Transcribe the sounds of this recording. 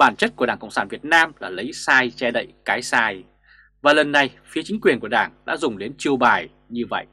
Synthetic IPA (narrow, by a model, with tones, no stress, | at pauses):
ɓaː˧˩nt͡ɕə˦˥t̚ku˧˩əɗaː˧˩ŋkə̰˧˨wŋ͡msaː˧˩nvi˨˩ət̚naː˧mlaː˨˩lə˨˦jsaː˧jt͡ɕɛ˧ɗə̰˧˨jkaː˨˦jsaː˧j | vaː˨˩lə˨˩nːa˨˩jfi˨˦ət͡ɕï˨˦ŋ̟kwi˨˩ənku˧˩əɗaː˧˩ŋɗa̰ː˧˥zʊ˨˩ŋ͡mɗe˨˦nt͡ɕi˧əwɓaː˨˩j | ɲɨ˧və̰˧˨jʔ